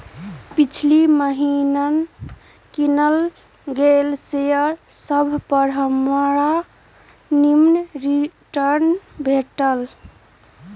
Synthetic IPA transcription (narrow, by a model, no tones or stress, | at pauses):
pit͡ʃʰliməɦinən | kinəl | ɡelsejəɾsəbʱpəɾɦəmɾa | nimnɾiʈəɾnbʱeʈəl